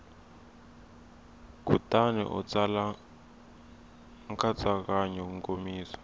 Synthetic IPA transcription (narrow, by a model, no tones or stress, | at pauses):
k̬utʼanɛ̰ʔṵt͡sʼala | ŋkʰat͡sakaɲɛkuŋkʼomiːsḁ